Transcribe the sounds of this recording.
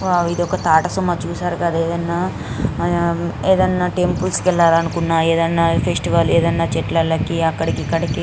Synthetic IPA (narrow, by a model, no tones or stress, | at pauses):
ʋaːid̪ɔkɐt̪aːʈɐsumːaːt͡ʃuːsaːɾukɐd̪eːd̪ɐnːaː | eːd̪ɐnːaːʈempulskɛlːaːɾɐnukunːaːeːd̪ɐnːaːpʰesʈiʋaːleːd̪ɐnːaːt͡ʃɛʈlɐlːɐkiɐkːɐɽikikːɐɽɐki